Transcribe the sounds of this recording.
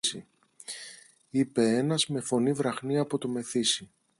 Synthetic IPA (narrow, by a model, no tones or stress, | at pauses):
ḭ | ipe̞e̞nɐzme̞fo̞nivɾɐxniɐpo̞t̪ome̞θisi